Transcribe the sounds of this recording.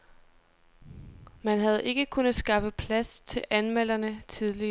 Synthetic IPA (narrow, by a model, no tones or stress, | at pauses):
mænɦæð̞ˠʔe̝ɡ̥əkʰunəð̩ˠsɡ̥ɑ̈fəpʰlæst͡sʰe̝lʔænmel̰ɐnət͡sʰið̞ˠli